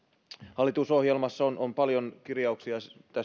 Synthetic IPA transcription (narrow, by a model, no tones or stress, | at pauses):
hɑlːˑit̪uso̞hjelmɑsːɑonʔompɑljonkirjɑuksiɑt̪æ